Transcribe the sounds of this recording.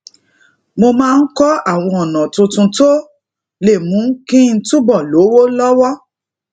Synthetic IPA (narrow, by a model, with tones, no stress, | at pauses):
mo˧mãː˦˧n̩˦kɔ˦a˦˨w̃ɔ̃˧ɔ˨nã˨tũ˧tũ˧to˦ | le˦˨mũ˨˦kĩ˦n̩˦tũ˦bɔ˦˨lo˨˦wo˦lɔ˦wɔ˦